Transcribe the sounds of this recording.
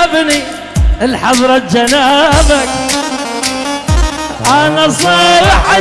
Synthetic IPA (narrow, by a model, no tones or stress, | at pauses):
bni | ʔɪlħɑðˤɾˤɑt̪̚d͡ʒanaːbak | ʔanasˤɑːɾħa